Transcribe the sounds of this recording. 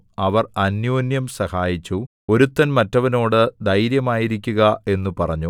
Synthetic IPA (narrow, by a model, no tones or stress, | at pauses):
ɐʋɐrɐnjoːnjɐmsɐhaːjit͡ɕːu | o̞ɾut̪ːɐnmɐtːɐʋɐno̞ːɽɨd̪ɐjɾjɐmaːjiɾikʲːuɣɐe̞nːupɐrɐɲːu